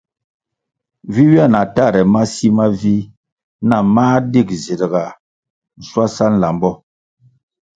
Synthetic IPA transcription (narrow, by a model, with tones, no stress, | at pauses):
vi˦wi˦a˦˨na˨ta˦˨ɾɛ˨ma˦si˦ma˦vi˦ | na˦˨maː˦di˦˨kze˨də˨ɡa˨ | n̩˨swa˦sa˦n̩˦˨la˨mbɔ˦